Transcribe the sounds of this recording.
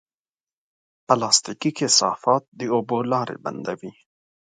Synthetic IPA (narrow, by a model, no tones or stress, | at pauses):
palɑːst̪ikikesɑ̰ːfɑːt̪̚d̪iobolɑːɾḛba̰nd̪awi